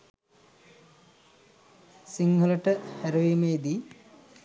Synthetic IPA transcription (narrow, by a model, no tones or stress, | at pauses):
siŋɡəlɐʈəhæɾɐʋiːmeːd̪i